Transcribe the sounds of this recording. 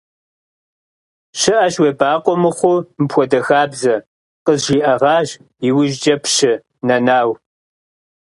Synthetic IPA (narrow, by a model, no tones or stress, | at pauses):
ɕɪʔɐʃwebaːqʷʼɔmɨχʷʊmpʰʷɔdɐxaːbzɐ | qəzʒiːʔɐʁɑːʒ | iwʊʒd͡ʒɐpʰʃɪ | nɐnaːw